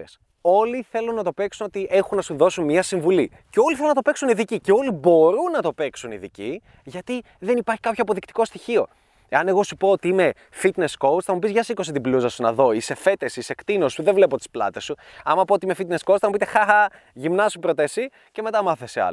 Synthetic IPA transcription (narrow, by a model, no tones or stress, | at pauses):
es | o̞liθe̞lunːɐt̪o̞pe̞ksuno̞t̪iʔe̞xunːɐsuðo̞sunmɲɐsiɱvuli | ceo̞liθelunɐt̪ope̞ksuniðicice̞o̞libo̞ɾunːɐt̪o̞pe̞ksunḭðḭci | ʝɐt̪i | ðe̞nipɐɾçi̥kɐpçoɐpo̞ðikt̪i̥ko̞st̪içio̞̰ | e̞ɐne̞ɣo̞supo̞ot̪iime̞ | fit̪ne̞sko̞wt͡sθɐmupizʝɐsiko̞s̬it̪ibluzɐsunɐðo̞ise̞fe̞t̪esise̞kt̪ino̞suðevle̞pot̪i̥splɐ̰t̪esu | ɐmɐpoot̪iime̞fit̪neskowt͡s̪θɐmupit̪e̞xɐxɐ | ʝimnɐsupɾo̞t̪esi | ce̞me̞t̪ɐmɐθe̞seɐ̰l